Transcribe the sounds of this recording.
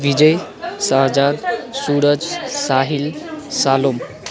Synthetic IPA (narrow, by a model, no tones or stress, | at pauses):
ʋid͡ʒəjsaɦd͡ʒad̪suːɾəd͡ʒsaːɦilsaːlom